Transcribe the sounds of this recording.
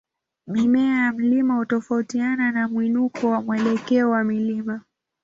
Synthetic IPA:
mimɛajam̩limahutɔfautiananamwinukɔwamwɛlɛkɛɔwamilima

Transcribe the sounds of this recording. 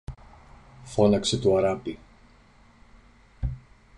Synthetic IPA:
fo̞nɐkse̞t̪uɐɾɐpi

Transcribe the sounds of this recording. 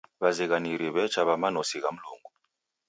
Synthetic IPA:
βaziɣaniɾiβɛt͡ʃaβamanɔsiɣam̩loŋɡu

